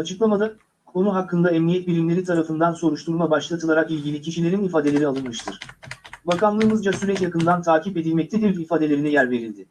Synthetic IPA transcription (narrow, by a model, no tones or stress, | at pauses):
at͡ʃʰɯklˠamad̪a | kʰo̞nuɦakʰːɯnd̪aɛmnʲijɛt̪̚bilʲimlʲe̞ɾit̪ʰaɾafɯnd̪anso̞ɾuʃt̪ʰuɾmabaʃlˠat̪ʰɯlˠaɾakilʲɟilʲicʰiʃilʲe̞ɾinifaːd̪ee̞ɾialˠɯnmɯʃt̪ʰɯɾ̥bakanlˠɯːmɯzd͡ʒasyɾɛcjakɯnd̪ant̪ʰaːcipe̞d̪ilʲmɛc̚t̪ʰed̪iɾifaːd̪e̞lʲeɾinɛjæɾve̞ɾilʲd̪ɪ